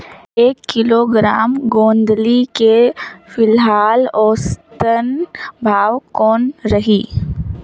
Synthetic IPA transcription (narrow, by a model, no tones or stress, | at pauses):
eːkːɪloɡɾaːmɡõːnd̪likefɪlɦaːlɔːst̪ənbʱaːwkɔːnɾɐɦiː